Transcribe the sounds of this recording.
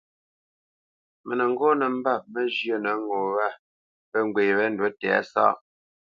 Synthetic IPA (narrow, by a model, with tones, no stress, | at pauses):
mə˨nə˨ŋ̩˦ɡɔ˦nə˨m̩˦ba˦˨p̚mə˦d͡ʒjə˦˨nə˨˦ŋɡɔ˨wa˦ | pə˦ŋ˨ɡwe˨wɛ˦n̩˦dwə˦tɛ̰˨a̰˦sa̰˦˨ʔ